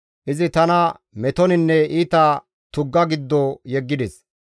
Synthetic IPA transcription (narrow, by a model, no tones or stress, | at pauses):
ʔɪzɪt̪ɐnɐ | mɛt̪ɔnɪnːɛiːt̪ɐ | t̪ʊɡːɐɡɪd̪ːɔjɛɡːɪd̪ɛs